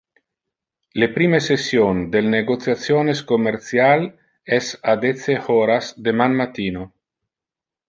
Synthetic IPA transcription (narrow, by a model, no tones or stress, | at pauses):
lepɾiːmesesjond̪elneɡot̪sjat̪sjoneskomeɾt̪sjal | ɛsad̪eseoɾasd̪emanmat̪iːno